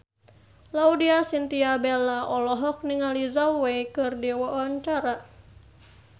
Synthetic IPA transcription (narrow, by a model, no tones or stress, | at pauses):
laudiasint̪iabelaʔɔlɔɦɔk̚niŋalizawekɨrdiwaʔaɲt͡ʃaɾa